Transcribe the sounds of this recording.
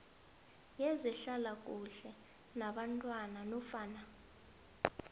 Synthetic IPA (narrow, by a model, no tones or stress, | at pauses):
jɛzɛɬalakʼuɬɛ | naɓantʼwananɔfaːna